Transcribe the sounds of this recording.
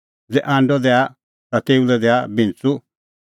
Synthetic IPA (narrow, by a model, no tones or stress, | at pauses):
d͡zɛʔãːɳɖɔd̪ɛa | t̪at̪eulɛd̪ɛabĩnt͡su